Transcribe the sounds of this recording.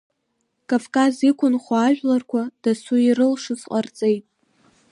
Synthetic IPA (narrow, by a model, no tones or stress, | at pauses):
kʼavkʼazikʷʰʊnχʷaaʒᶣʷlarkʷʰad̥asuirɨlʂɨt͡sqʼart͡sʼejtʼ